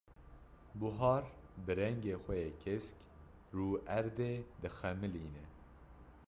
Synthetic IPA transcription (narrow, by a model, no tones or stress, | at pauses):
buɦɑːɾbɨɾɛŋɡeːxʷɛjeːkʰesk | ruːʔæɾd̪eːd̪ɨxɛmɨliːnɛ